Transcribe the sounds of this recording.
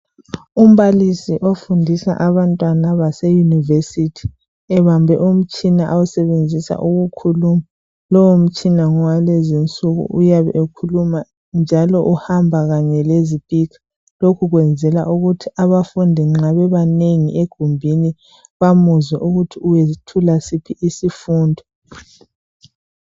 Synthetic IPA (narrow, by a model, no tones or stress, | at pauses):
um̩βalisiʔofundʱisa̰ʔaβantʼwanaβasɛjunivesitʰi̥ | ɛβambʱɛʔum̩t͡ʃʼinaʔawusɛβend͡zʱisa̰ʔuɣukʰuluma | lɔwom̩t͡ʃʼinaŋɔwalezint͡sʼuɣṵʔujaβɛ̰ʔekʰuluma | nd͡ʒʱalɔʔuhambʱaɣaɲɛlezipʼikʰḁ | lokʰuɣwɛnd͡zʱɛla̰ʔuɣutʰiaβafundʱiŋ͡ǁaβɛβaneŋiʔeɡ̥ʱumbʱini | βamuzwɛʔuɣutʰiuweztʰulasipʰiʔisifuːndʱɔ